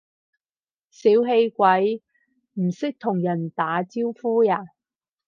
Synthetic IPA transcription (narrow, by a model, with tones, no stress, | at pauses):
siː˨˥wɦe˧jkʷɐ˨˥j | m̩˨˩sɪ˥k̚t̪ʰʊ˨˩ŋjɐ˨˩nt̪aː˨˥t͡siː˥wfuː˥jaː˨˩